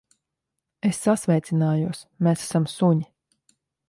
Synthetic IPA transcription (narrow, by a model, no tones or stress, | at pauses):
esːasvʲɛjt̪sinaːjuɔsmesḁsamsuɲi